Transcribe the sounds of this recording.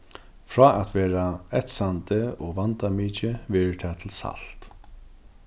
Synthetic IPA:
fɹɔːʔat̪ʋɛːɾaɛt̪sant̪ɪɔɣʋant̪amiːt͡ʃɪvɛːɹɪt̪ʰɛːt̪ʰɪlsa̰lt̪

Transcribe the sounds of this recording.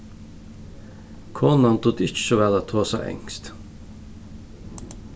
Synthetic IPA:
kʰɔnɑnt̪ʰʊt̪ɪʃɔʋælɑt̪ʰoːsæ̰ʔɛ̰ŋst̪

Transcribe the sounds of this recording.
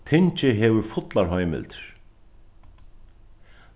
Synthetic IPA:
t̪ʰɪɲt͡ʃɪɦɛʋʏɾfʊt̪laɾɦɔjmɪ̰lt̪ɾ̥

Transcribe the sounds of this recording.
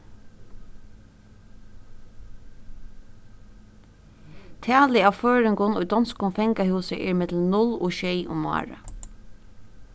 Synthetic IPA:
t̪ʰæːlɪaːʋføːɹɪŋkʊnujd̪ɔnskʊmfɛŋkahʉːsəʔɛːɹmɪt̪l̩mnʊlɔ̰ːʃɛjʔʊ̰mmːɑ̰ːɹə̰

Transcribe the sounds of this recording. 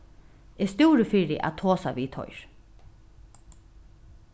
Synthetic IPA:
ɛst̪uːɾəfɪːɾɪ̰ʔæ̰t̪ʰoːsa̰ʋiːt̪ʰɔ̰ʏɹ̥

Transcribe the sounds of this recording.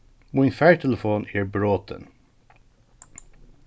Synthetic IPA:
minfɛːɹtʰɛləfoːnɪːɹbɹoːt̪ə̰n

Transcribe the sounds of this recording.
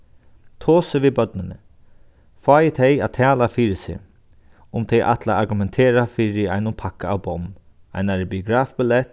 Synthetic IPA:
t̪ʰoːsɪʋiːðbœt̪nɪnə̰ | faːjɪt̪ʰɛjat̪ʰɛːlafiːɹɪsɪ̰ | ʊmt̪ʰɛjʔa̰t̪laaɾɡʊmɛnt̪ʰeːɾafiːɹɪa̰jnʊnpʰakaawbɔm | a̰jnaɹɪbiʊɡɾaːfbɪlɛt̪

